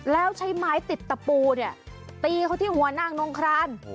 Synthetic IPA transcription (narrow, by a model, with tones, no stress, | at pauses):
lɛː˦˥wt͡ɕʰa˦˥jmaː˦˥jt̪i˨˩t̪ːa˧puː˧ni˧˥˩ɐt̪iː˧kʰa˦˥wt̪ʰiː˥˩ɦu˩˦ɐnaː˥˩ŋno˧˥ŋkʰɾaː˦˥˩n